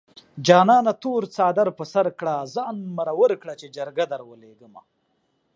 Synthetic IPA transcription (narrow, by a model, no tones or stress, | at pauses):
d͡ʒɑːnɑːnat̪oɾt͡sɑːd̪aɾpəsaɾkɽazɑːnmaɾawəɾkɽat͡ʃed͡ʒaɾɡad̪aɾwəleɡəma̰